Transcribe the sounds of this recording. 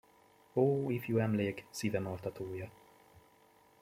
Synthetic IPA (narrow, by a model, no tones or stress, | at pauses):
oːifjuɛmleːksivɛmolt̪ɒt̪ʰoːjɒ